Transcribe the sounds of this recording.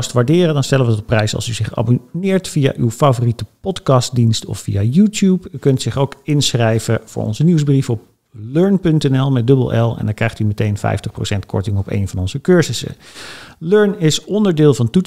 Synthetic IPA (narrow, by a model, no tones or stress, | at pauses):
stʋaːɹdɪːrəndɑnstɛləʋədtprɛjsɑ̰lˠsyzɪχa̰bonɪːɹtfija̰ʔywfavoritəpɔtkɑst̚dinstɔ̰fːḭjajutjupykɵntsɪχowkɪnsχrɛjvəv̥ʊ̰ːɹɔ̰nzəniwzbrifɔp̚ | løɹnpɵntɛnɛlˠmɛd̚dɵbəl̩ˠʔɛ̰lˠɛ̰ndakrɛjχtymətejnfɛ̰jftəχpro̰sɛntkʰɔ̰ɹtɪŋɔpḛjnvɑnɔnzəkøɹzəsə̰ | løɹnɪsɔndəɹdɪːlˠvɑntu